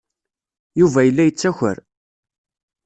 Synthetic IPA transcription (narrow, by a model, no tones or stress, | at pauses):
juvæjəlːæjət͡sːæçə̰ɾ